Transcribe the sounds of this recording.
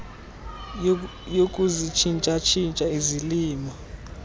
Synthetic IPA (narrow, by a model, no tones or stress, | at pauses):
jokʼuzit͡ʃʰint͡ʃʼat͡ʃʰint͡ʃʼaiziliːmɔ